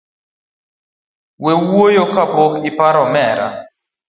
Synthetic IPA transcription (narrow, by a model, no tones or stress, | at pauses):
wewojokapokipaɾɔmɛɾa̰